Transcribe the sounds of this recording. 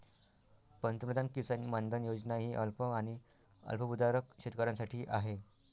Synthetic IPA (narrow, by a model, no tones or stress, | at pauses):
pənt̪mɾəd̪ankisənmand̪ʱənjod͡znaɦiːʔəlpəaɽ̃i | ə̰lpʰəpud̪aɾəkɕet̪kəɾãnsaʈʰiːʔaɦe